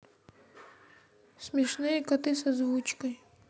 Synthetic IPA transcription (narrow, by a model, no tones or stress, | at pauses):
smʲɛʂnɨjɛkɐt̪ɨs̬ɐzvut͡ʃkəj